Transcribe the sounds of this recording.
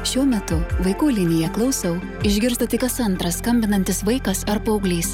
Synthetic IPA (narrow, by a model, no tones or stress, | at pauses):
ʃʲuɔmʲɛt̪ʊʋɐɪkuːlʲɪnʲɪjɛklˠɐʊsʲɛʊ | ɪʒʲɡʲɪɾst̪ɐt̪ʲɪkɐsɐnt̪ɾɐskɐmʲbʲɪnɐnʲt̪ʲɪsʋɐɪkɐsɐɾpoʊɡlʲiːs